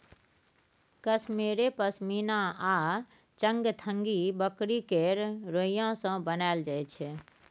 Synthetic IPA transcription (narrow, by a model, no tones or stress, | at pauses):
kəsmeːɾepəsmiːnaa | t͡ʃə̃ŋɡt̪ʰəŋɡibəkɾikeɾɾoijãsə̃bənaɪld͡ʒajt͡ʃʰɛ